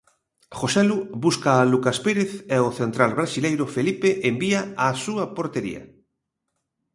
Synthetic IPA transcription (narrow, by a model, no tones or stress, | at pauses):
xosɛlubuskaːlukaspeɾeθɛoθent̪ɾalβɾasilejɾʊfelipeʔembiaasuɐpoɾt̪eɾḭɐ̰